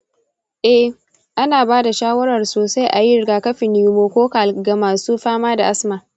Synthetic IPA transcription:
ʔɛ˦h | ʔa˦naː˨baː˦da˨ʃaː˦wɐ˦ɾɐ˨rsoː˨sa˦jʔa˨ji˦ɾɡaː˨kɐ˦ɸɪ˨nɪ˨˦moː˦kʷoː˦ka˨lɡa˨maː˨suː˦ɸaː˦maː˦da˨ʔa˦smaː˨

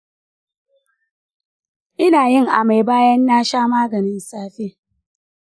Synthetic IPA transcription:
ʔɪ˦naː˨jɪ˦ŋʔa˨ma˨jbaː˦jɐ˦nːaː˦ʃaː˦maː˦ɡɐ˨nɪ˦nsaː˦ɸe˦

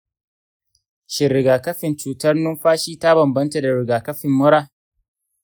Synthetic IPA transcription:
ʃɪ˨ɾɪ˨ɡaː˨kɐ˦ɸɪ˨nt͡ʃuː˨tɐ˦rnʊ˦mɸaː˦ʃiː˦ta˦bɐ˨mbɐ˦nta˨da˨ɾɪ˨ɡaː˨kɐ˦ɸɪ˨mːʊ˦ɽaː˦

